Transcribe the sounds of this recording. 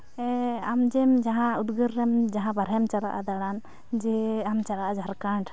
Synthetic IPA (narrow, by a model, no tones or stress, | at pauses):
ɛamd͡ʒɛmd͡ʒaɦãud̪ɡəɾːɛmd͡ʒaɦãbaɾɦɛmt͡ʃaɽa̰ʔa̰d̪aɽan | d͡ʒɛamt͡ʃaɽaʔad͡ʒʱaɾkaɳʈ